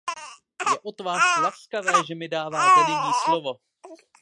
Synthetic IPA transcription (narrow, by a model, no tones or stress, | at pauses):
jɛʔo̞t̪vaːslaskavɛːʒɛmɪdaːvaːt̪ɛnɛvɲiːslovo̞